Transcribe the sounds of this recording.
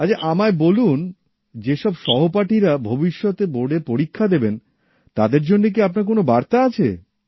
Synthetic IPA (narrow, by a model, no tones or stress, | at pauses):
at͡ɕʰaʔamaebolun | d͡ʑeʃɔbʃɔɦopaʈiɾabʱobiʃːɔt̪eboɽepoɾikʰːad̪eben | t̪ad̪eɾd͡ʑonːek̬iapnaɾkonobaɾt̪aat͡ɕʰḛ